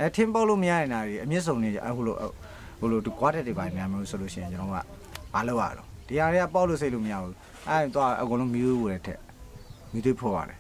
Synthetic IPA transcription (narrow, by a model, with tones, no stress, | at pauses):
ʔɛ˦˨tʰɪ̃˦pa˦ʊʔlo˦˨məja˦ɾɪ̃˨nda˨ɾi˨ʔə˨mjɪ˦ʔs̬õ˨ʊ̃nde˦˨ho̰˦˨lo̰˨ʔ | ho˦˨lo˨du˨kwa˦dɛ˦tːe˨ba˨ĩ˨n˨a˨mjo˦˨so˨lo˦ʃɪ̰̃˦˨ɪ̃˨t͡ɕə˦nɔ˨o˦ɡa̰˦˨ | b̥a˨lo˦ʊʔa̰˦˨õ̰˨d̥i˨ja˨ɾɛ˦a˦˨pa˦ʊʔlo˦˨s̬e˦ʔlo̰˦˨məja˦˨bu˦ | ʔɛ̃˦˨t̪wa̰˦˨ʔə˨kõ˨lõ˦mi˦t̪we˦o˨ɾɛ˦˨tʰɛ̰˦ʔ | mi˦t̪we˦pʰɔ˦˨ba̰˨lɛ˨